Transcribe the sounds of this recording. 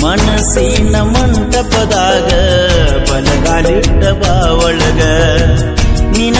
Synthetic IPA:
mɐnɐsinɐmːɐnt̪ɐpːɐd̪aːɡɐpɐlɐkaːliʈːɐbaːʋɐɭɐɡɐ | nin

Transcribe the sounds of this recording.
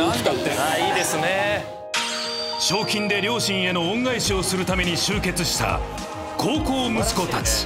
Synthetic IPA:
ank̪at̪ːenaid̪e̞sɨne | ɕo̞ːkʲĩnd̪e̞ɾʲjo̞ːɕĩɰ̃e̞nõ̞ːŋɡaiɕio̞sɨɾɯ̟t̪ame̞ɲ̟iɕɨːke̞t͡sɨɕi̥t̪a̰ | kʰoːko̞ːmɯ̟sɨ̥ko̞t̪at͡sɨ̥

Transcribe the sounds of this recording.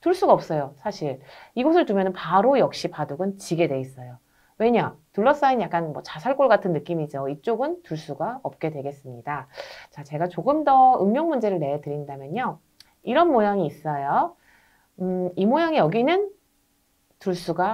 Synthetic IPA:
tuɭs͈uɡaʌp̚s͈ʌjosʰaɕʰiɭiɡosʰɯɭtumjʌnɯnpaɾojʌk̚ɕ͈ipaduɡɯnt͡ɕiɡe̞dwe̞is͈ʌjo | we̞ɲatuɭːʌs͈ainjak͈anmwʌt͡ɕasʰaɭk͈oɭɡatʰɯnːɯk͈imid͡ʑoit͡ɕ͈oɡɯntuɭs͈uɡaʌp̚k͈e̞dwe̞ɡe̞s͈ɯmɲidat͡ɕat͡ɕe̞ɡat͡ɕoɡɯmdʌɯmmjʌŋmund͡ʑe̞ɾɯɭne̞etɯɾindamjʌɲo | iɾʌnmojaŋiːs͈ʌjo | imojaŋijʌɡinɯn | tuɭs͈uɡa

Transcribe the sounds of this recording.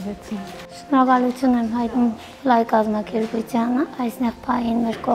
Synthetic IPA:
vɛt͡sʰin | ʃnnɔɾɑkɑlut͡sʰjunɛmɦɑjt̪num | lɑjkɑzmɑkɛɾput͡sʰjɑnəɑjsnɛʁpʰɑjinmɛɾkɔ

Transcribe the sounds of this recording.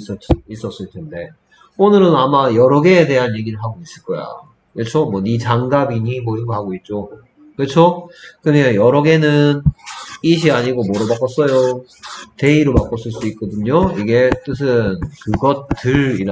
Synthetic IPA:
s͈ʌis͈ʌs͈ɯɭtʰende̞ | onɯɾɯnamajʌɾʌɡe̞ːde̞ɦanje̞ɡiɾɯɭɦaɡois͈ɯɭk͈ʌja̰ | kɯɭt͡ɕʰomwʌnit͡ɕaŋɡabiɲimwʌiɡoɦaɡoit̚t͡ɕ͈o | kɯɭt͡ɕʰokɯnjʌɾʌɡe̞nɯniɕ̬ʰiaɲiɡomʌɾʌbak͈ʌs͈ʌjo | te̞iɾomak͈ʌs͈ɯɭs͈uit̚k͈ʌdɯɲoiɡe̞t͈ɯs̬ʰɯnkɯɡʌtt͈ɯɾiɾ

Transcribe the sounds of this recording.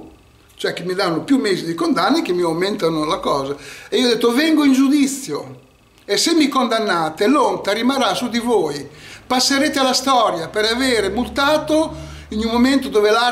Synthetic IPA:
t͡ʃoɛk̟ːimːiðanːopjumːeːzid̪ikond̪anːek̟emːiawment̪anolakɔːzaeioɔd̪ːet̪ːovɛŋɡoind͡ʒud̪it̪sːjo | esːemːikond̪anːaːt̪elont̪aɾimarɾasud̪ivoːjpasːeɾeːt̪ealast̪ɔːɾjapeɾaveːɾemult̪aːt̪oiɲumːoment̪od̪oːvela

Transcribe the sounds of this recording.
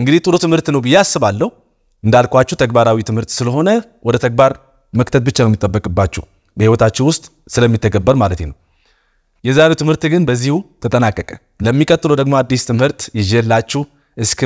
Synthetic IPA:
ʔɨŋɡɨd̪iht̪ʼɨlot̪ʰɨmhɨɾt̪nəwbɨjːasːɨβalːəhu | ʔɨnd̪alkʰʷwat͡ʃːɛwt̪ʰəɡbaɾawit̪ʰɨmhɨɾt̪sɨləɦo̞nəwɔd̪ət̪ʰəɡ̚baɾ | məkt̪ʰət̪̚bɨt͡ʃːanwmːit̪ʼːəbːəkʼɨbːat͡ʃːɛh | bəhiwɔt̪ʰat͡ʃːɪnwʊst̪ʼ | sɨləmːit̪ʰːəɡəbːəɾmalət̪enəw | jɛzaɾewt̪ʰɨmhɨɾt̪ɡɨnbəzːihut̪ʰət̪ʼənakʼːəkʼə | ləmːikʼət̪ːɨlod̪əɡmo̞ad̪ːist̪ʰɨmhɨɾt̪jɪd͡ʒelːat͡ʃːɛh | ʔɨskʰ

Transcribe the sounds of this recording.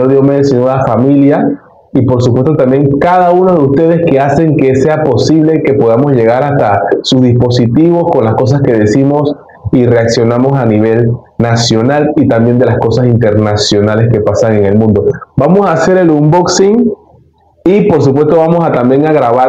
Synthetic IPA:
oɾðjomeðesenoðafamilja | ipo̞ɾs̬upwest̪o̞t̪ambjeŋkaðaunoðeust̪e̞ð̞e̞ske̞ase̞ŋke̞se̞apo̞siβle̞ike̞po̞ð̞amo̞zʝe̞ɣaɾast̪asuzðispo̞sit̪iβ̞o̞sko̞nlasko̞s̬aske̞ðe̞simo̞s | ire̞aksjo̞namo̞saniβ̞e̞l | nasjo̞nalit̪ambje̞nd̪e̞lasko̞sasint̪e̞ɾnasjo̞nale̞ske̞pasaŋe̞ŋe̞lmũnd̪o̞bamo̞saːse̞ɾelumboksiŋ | ipo̞ɾs̬upwe̞st̪oβamo̞sat̪ambje̞ŋaɣɾaβa

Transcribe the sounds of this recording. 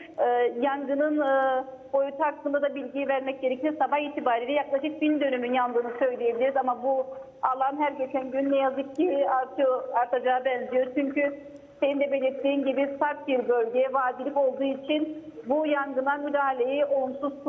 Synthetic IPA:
jaŋɡɯnɯnɯ | o̞jut̪ʰuakːɯnd̪ad̪abilʲɟijvæɾmɛc̚ɟe̞ɾecʰijoɾsabaxiːt̪ʰibaːɾilʲɛjaklˠaʃɯk̚bind̪ø̞nymynjand̪ɯːnɯsø̞jlʲeje̞bilʲiɾizamabu | alˠanɦæɾɟe̞t͡ʃʰænɟynːɛjazɯk̚ciaɾt̪ʰɯjoaɾt̪ʰad͡ʒaːbɛnzijo̞ɾt͡ʃʰyɲcʰy | se̞nind̪ɛbe̞lʲiɾt̪ʰːiːnɟibisaɾt̪̚biɾbø̞lʲɟejɛvaːd̪ilʲipo̞lˠd̪uːit͡ʃʰinbujaŋɡɯnamyd̪aːhalʲe̞jɛo̞lˠumsuzk̪ʰu

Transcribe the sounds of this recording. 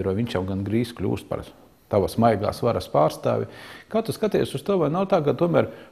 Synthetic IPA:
ɾaʋiɲʲt͡ʃjawɡanɡɾiːsklʲṵːst̪̚pɐ̰ɾ | t̪aʋasmajɡa̰ːsʋaɾaspaːɾst̪a̰ːʋʲḭkaːt̪uskat̪ɛ̰jsust̪uɔʋajnawt̪aːkat̪uɔmæɾ

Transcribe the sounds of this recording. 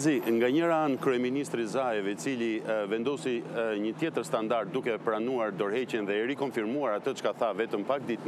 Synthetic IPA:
ziŋɡaɲəɾaankɾyɛminist̪ɾizajɛvɛit͡silivɛnd̪ɔsiɲət̪jɛt̪əɾst̪and̪aɾd̪̚d̪ukɛpɾanuaɾd̪ɔɾhɛcɛnðɛɛɾikɔnfiɾmuaɾat̪ət͡ʃkaθavɛt̪əmpak̚d̪it̪

